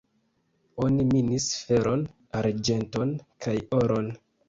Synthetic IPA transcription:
o̞niminisfe̞ɾʔo̞n | aɾd͡ʒe̞nto̞nkʰajoɾʔon

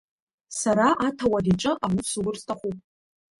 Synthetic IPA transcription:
saɾaʔatʰawadiʈ͡ʂʼɨʔawusɨɡʊrstʰaχʷupʼ

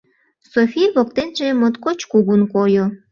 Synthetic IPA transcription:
sofijβok̚t̪enʒemot̪kot͡ɕkuɣunkojo

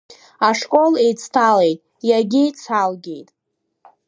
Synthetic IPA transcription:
aʂkʷʼo̞lejt͡sʰtʰale̞jtʼ | jaɡʲejt͡sʰalɡʲe̞jtʼ

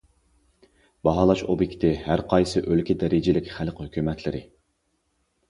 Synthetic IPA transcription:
b̥ɑɦɑːlˠɑʃobikʲt̪ʰɪhæɾqʰɑjsɨʔølkʲɪd̪ɛɾɪd͡ʒɪlɪkʲχælqhøkʲymɛt̪ʰlɪɾɪ

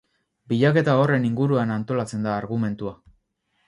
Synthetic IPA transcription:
biʎake̞t̪ao̞re̞niŋɡuɾuanant̪o̞lat͡se̞nd̪aːɾɣume̞nt̪ua

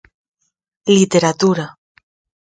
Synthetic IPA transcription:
lit̪eɾat̪uɾa

